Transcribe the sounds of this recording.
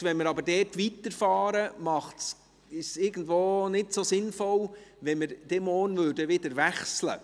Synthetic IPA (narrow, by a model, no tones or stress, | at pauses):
vʋɛnmɪɾɑbəɾdɛːtʋitəɾfɑːɾəmɑχts | ɪsɪɡ̥ən̩dʋoːnɪtsosɪnfɔlʋɛnməɾd̥ɛmɔːrnvʉːdəʋɪdəɾʋæχslə̰